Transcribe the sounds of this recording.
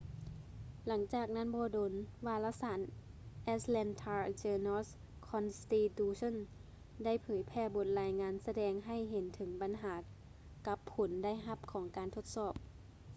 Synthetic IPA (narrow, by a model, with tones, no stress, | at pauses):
la˩˦ŋt͡ɕaː˨˩k̚na˥˨nbɔː˧˦doː˨˧˦nwaː˧laː˧˥saː˨˩˦nʔɛː˧t̪lɛ˧nt̪ʰaː˧t͡ɕɤː˧nɔ˧˥˨s | kʰɔ˧nst̪iː˧t̪uː˧sʰo˧˥˨n | da˥˩˨jpʰɤː˩˦jpʰɛː˧˩bo˧˦t̪̚laː˧jŋaː˧nsa˧dɛː˧ŋɦa˧˩jɦe˨˦nt̪ʰɯ˩˦ŋba˨nɦaː˩˦ | ka˧˦pʰːo˨˩˦nda˥˩jɦa˧˩p̚kʰɔː˩˦ŋkaː˨nt̪ʰo˧˥˦t̪̚sɔː˧˨˩p̚